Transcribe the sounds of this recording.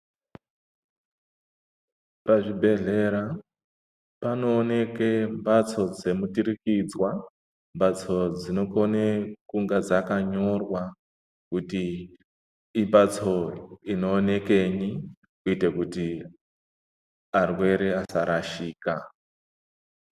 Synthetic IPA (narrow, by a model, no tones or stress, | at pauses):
paʐibʱe̞ɮe̞ɾa | pano̞ːne̞kembat͡so̞d͡ze̞mutiɾikid͡zwa | mbat͡so̞d͡zino̞konekuŋɡad͡zakaɲo̞rwa | kuti | mbat͡so̞ino̞ːne̞ke̞ɲi | kuite̞kuti | arwe̞ɾeasaɾʔaʃiːka